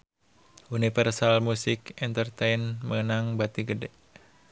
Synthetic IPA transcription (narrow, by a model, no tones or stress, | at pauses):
ʔunifərsalmusɪkɛnt̪ərt̪ejnməŋənaŋbat̪iɡədɛ